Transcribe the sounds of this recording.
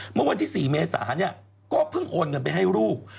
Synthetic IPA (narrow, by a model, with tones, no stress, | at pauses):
mɯ˥˩wa˧nt̪ʰiː˥˩siː˨˩meː˧sa̰ː˩˦ni˥˩ɐ | kɔː˥˩pʰɯ˥˩ŋʔoː˧nŋɤ˧np̬a˧jɦa˥˩jɾuː˥˩p̚